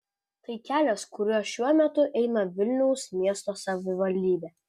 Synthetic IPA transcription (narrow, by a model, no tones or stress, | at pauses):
t̪ɐɪkʲæːlʲoːskʊɾʲuːʃʲuɔmʲɛt̪ʊʔɛɪnɐʋʲɪlʲnʲɛʊsmʲiɛst̪oːsɐʋʲɪʋɐlʲd̪ʲiːbʲeː